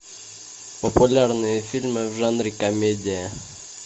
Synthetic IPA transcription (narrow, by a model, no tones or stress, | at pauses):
pəpʊlʲarnɨjəfʲilʲmɨvʐanɾʲɪkɐmʲedʲɪjə